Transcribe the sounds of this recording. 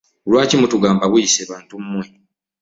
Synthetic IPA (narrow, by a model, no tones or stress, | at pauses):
olwaːcimutuɡaːmbaβujiseːβaːntumːwe